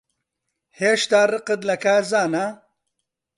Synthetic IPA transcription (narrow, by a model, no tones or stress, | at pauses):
heːʃt̪aːrɨqɨd̪lɐkaːɾzaːna